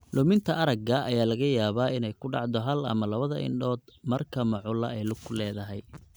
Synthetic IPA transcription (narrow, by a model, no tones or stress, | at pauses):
lʊmɪnt̪ʰɐʔɐɾɐɡɐʔɐjaːlɐɣɐjaːβaːɪnɛjkʰʊɖɑʕd̪ɔɦɐlɐ̰mɐlɐβɐðɐʔɪ̰nɖɔːd̪mɐrkʰɐmɑʕʊlɐɛjlʊklɛːðɐɦɛj